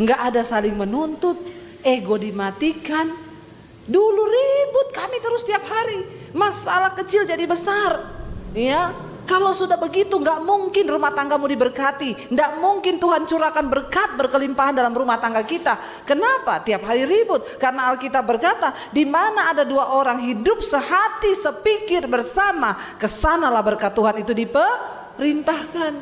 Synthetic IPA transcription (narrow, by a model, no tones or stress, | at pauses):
ŋɡaʔːdasalɪŋmənunt̪ʊt̪̚ | eɡodimat̪ikan | duluribʊt̪̚kamit̪əɾʊst̪iap̚haɾi | masa̰lahkət͡ʃɪld͡ʒadibəsarja | kalawsudahbəɡit̪uŋɡaʔmuŋkɪnrumaht̪aŋɡamudibərkat̪indaʔmuŋkɪnt̪uɦant͡ʃuɾakanbərkat̪̚bərkəlimpaɦandalamrumaht̪aŋɡakit̪a | kənapat̪iap̚ɦaɾiɾibʊt̪̚karənaːlkit̪ab̚bːərkat̪a | dimanaːdaduaʔoɾaŋɦidʊp̚səhat̪isəpikɪrbərsama | kəsanalahbərkat̪ːuɦanit̪udipə | ɾint̪ahkan